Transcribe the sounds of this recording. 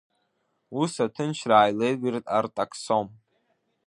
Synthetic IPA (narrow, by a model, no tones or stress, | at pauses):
usatʰɨnʃʰraːjlejɡʷirtʼartʼakʰʼsom